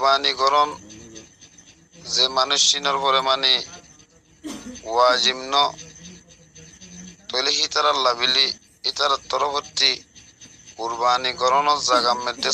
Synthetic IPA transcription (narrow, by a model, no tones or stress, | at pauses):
baniɡɔɾɔn | zemanuʃːinɔɾpɔɾɛmani | wad͡ʒimnɔ | t̪ɔleɦit̪aɾalaβiliː | t̪aɾat̪ɔɾɔpʰɔtːi | kuɾbaniɡɔɾɔnɔɾzaɡamːɛd̪e